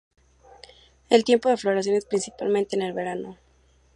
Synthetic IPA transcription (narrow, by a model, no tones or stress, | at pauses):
e̞lt̪je̞mpo̞ðe̞flo̞ɾas̬jonespɾinsipalmẽnt̪eːne̞lβe̞ɾano̞